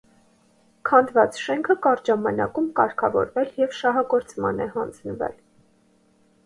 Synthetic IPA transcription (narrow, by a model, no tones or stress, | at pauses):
kʰɑnd̪vɑt͡sʃɛŋkʰəkɑɾʒɑmɑnɑ̰kumkɑɾkʰɑvɔ̰ɾvɛljɛvʃɑɦɑɡɔɾt͡smɑ̰nɛhɑnd͡znəvɛ̰l